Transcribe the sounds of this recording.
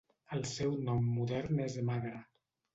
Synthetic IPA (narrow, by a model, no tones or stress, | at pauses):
əlˠsɛwnɔmːuðɛɾnezðemaɣɾa